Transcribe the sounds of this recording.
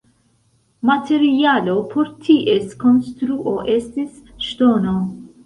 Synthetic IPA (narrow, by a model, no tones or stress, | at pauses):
mɐt̪ʰɛɾjɐːlopʰɔɾt̪ʰːiʔɛskɔnst̪ɾuʔoʔɛsisʃt̪oːno